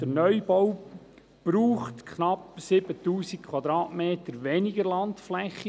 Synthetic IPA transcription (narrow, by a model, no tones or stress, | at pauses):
d̥ənœʏb̥ɔw | b̥ɾuːχtkχnɑpsɪbətuːsikkʰwɑd̪ɾɑːtmeːtəɾʋɛnɪɡəɾlɑntflɛχːi